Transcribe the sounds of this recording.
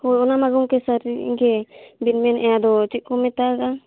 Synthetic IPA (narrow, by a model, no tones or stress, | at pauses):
hɔjɔnamaɡɔmkɛsaɾḭɡɛbinmɛnʔɛad̪ɔt͡ʃiʔ̚kɔmɛt̪aɡa